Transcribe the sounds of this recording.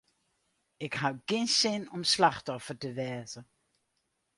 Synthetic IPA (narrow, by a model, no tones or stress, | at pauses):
ɪkɦawkɪnsɪnɔmslɑχtɔfərtəʋɛːzə